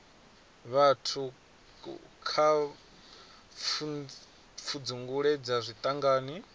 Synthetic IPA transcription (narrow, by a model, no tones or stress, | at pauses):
βatʰu | kʰa | fʰud͡zuŋɡuɺɛd͡zazʷit̪ʼaŋɡaːni